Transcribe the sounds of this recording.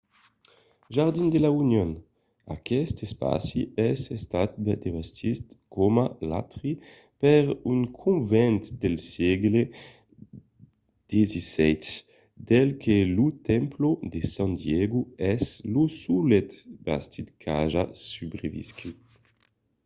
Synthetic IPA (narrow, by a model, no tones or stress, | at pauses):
ʒaʁd̪ind̪elaunjon | a̰kɛst̪espa̰siɛsest̪at̪̚bd̪evast̪ʰit̪komala̰t̪ʁi | pɛʁyŋkʰũnvɛnt̪d̪elsjɛɡle | d̪̥ezisɛt̪ | d̪̥elkʰelut̪ɛmplod̪esãnd̪jɛɡuɛzlusulet̪ba̰st̪it̪kʰaʒasybɾevḭskʰi